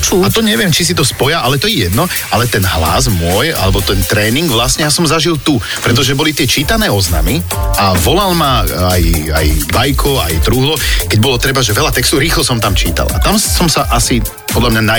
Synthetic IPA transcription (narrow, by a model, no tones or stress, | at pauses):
t͡ʃuat̪ɔɲɛʋɪɛmt͡ʃisit̪ɔspɔjaʔalɛt̪ɔjɛjɛd̪nɔ | alɛt̪ɛnɦla̰zmʊɔja̰lɛbɔt̪ɛnt̪ɾɛːniŋɡʋlasɲɛjasɔmzaʒilt̪u | pɾɛt̪̬ɔʒɛbɔlit̪ɪɛt͡ʃiːt̪anɛːɔzna̰mi | aʋɔlalmaaja̰jbajkʰɔa̰jt̪ɾuɦlɔkɛɟ̚bɔlɔt̪ɾɛbaʒɛʋɛʎat̪ɛkst̪ɔɾiːxlɔsɔmt̪amt͡ʃḭːt̪a̰la̰t̪amsɔmsaʔasi | pɔd̪ʎamɲana